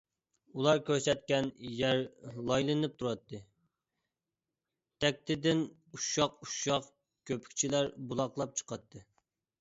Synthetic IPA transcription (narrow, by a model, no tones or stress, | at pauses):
ulˠɑɾkʲʰøɾsɛt̪̚kʲɛnjæɾlˠɑjlˠɨnnɨp̚t̪ʰuɾɑt̪ʰːɨ | t̪ʰɛk̚ʲt̪ʰɪd̪ɪn | uʃɑquʃɑq | kʲʰøpʰy̥kʲt͡ʃʰilæɾbulˠɑqlˠɑp̚t͡ʃʰə̥qʰɑt̪ʰːɨ